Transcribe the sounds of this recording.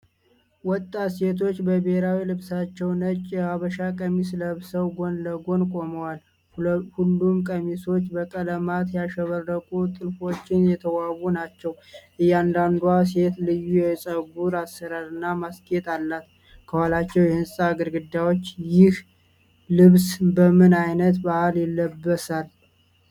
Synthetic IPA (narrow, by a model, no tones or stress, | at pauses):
wɔt̪ʼːase̞t̪ʰo̞t͡ʃːbəbehɾawilɨβsat͡ʃːɛwnət͡ʃʼjɛaβəʃakʼəmisləhɨβsəwɡo̞nləɡo̞nkʼo̞məwal | hulːumkʼəmiso̞t͡ʃːbəkʼələmat̪jaʃɛβərːəkʼut̪ʼɨlfo̞t͡ʃːɪnjɛt̪ʰəwawunat͡ʃːɛw | ʔɨjːand̪and̪uase̞t̪lɨjːujɛsʼəɡuɾasːəɾaɾɨnːamaskʼjɛt̪ʼalːat̪ | kʰəhalat͡ʃːɛwjɛhɨnsʼaɡəɾɡɨd̪ːawot͡ʃːjɪh | lɨβsbəmɨnajnət̪bahaljɛlːəbːəsal